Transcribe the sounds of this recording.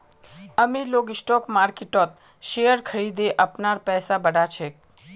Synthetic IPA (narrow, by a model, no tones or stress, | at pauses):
əmiloɡɪsʈɔkmaɾkeʈɔt̪̚ | ʃejəɾkʰəɾid̪eʔəpnaɾpɛɦsabəɽat͡ʃʰe